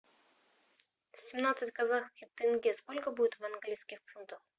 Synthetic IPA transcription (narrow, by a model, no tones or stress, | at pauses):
sʲɪmnat̪sɨtʲkɐzaxskʲɪpt̪ʲenɡʲeskolʲkəbudʲɪt̪vɐnɡlʲijskʲɪxfunt̪əx